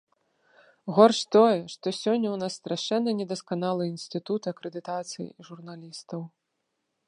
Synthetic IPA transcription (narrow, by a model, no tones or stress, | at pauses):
ɣɔrʂt̪ɔjɛʂt̪ɔsʲɔnʲːɐwnasːt̪ɾaʂɛnːɐnʲɛd̪ɐskanalˠɨinsʲt̪ɨt̪ut̪ɨɐkɾɛd̪ɨt̪at̪sɨjḭʐurnalʲist̪ɐw